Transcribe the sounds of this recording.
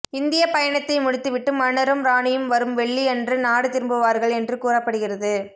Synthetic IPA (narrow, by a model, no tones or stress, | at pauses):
ɪnd̪ɪjɐpɐjɐɳɐt̪ːɐɪmʊɻɪt̪ːɯʋɪʈːɯmɐɳɐɾɯmɾaːɳɪjɯmʋɐɾɯmʋɛɭːiɛndrɯnaːɽɯt̪ɪɾɯmbɯʋaːɾɣɐɭɛndrɯkuːɾɐpːɐɽɯɣɪrɐðɯ